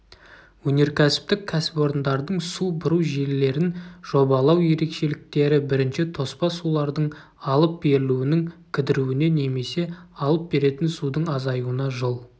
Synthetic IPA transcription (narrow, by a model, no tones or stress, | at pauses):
wɵne̞ɾkʲʰæsɪ̥p̚t̪ɪkʲʰæsɪ̥po̞ɾənd̪ɑɾd̪əɴsubʊɾuwʒe̞lːe̞ɾɪnʒ̥o̞bɑlˠɑwje̞ɾe̞kʃe̞lɪk̚t̪e̞ɾɪbɪɾɪnʃɪt̪ʰo̞spɑsulˠɑɾd̪əɴ | ɑlˠəp̚be̞ɾɪluɪnɪŋkʲʰɪd̪ɪɾuwɪne̞ne̞me̞se̞ɑlˠəp̚be̞ɾe̞t̪ɪnsud̪əɴɑzɑjuənɑʒolˠ